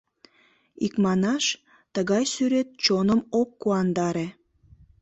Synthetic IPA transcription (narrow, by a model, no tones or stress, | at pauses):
ikmɑnɑʃ | t̪əɣɑjsyɾet̪̚t͡ɕonəmokːuɑnd̪ɑɾe